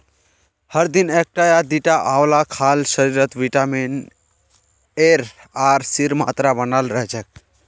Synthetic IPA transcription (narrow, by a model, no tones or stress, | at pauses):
həɾd̪inek̚ʈajad̪iʈaʔaʋlakʰaːlsəɾiɾət̪ʋiʈamin | eɾ | aːɾsiɾma̰ːt̪ɾabənalɾəɦt͡ʃʰək̚